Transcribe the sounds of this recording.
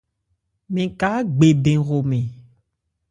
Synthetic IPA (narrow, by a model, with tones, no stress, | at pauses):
mẽ˨ka˨˦ɡ͡be˨bẽ˨ɣo˨mẽ˨